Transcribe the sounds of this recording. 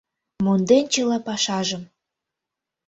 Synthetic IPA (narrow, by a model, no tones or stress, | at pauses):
mond̪ent͡ɕəlɑpɑʃɑʒə̆m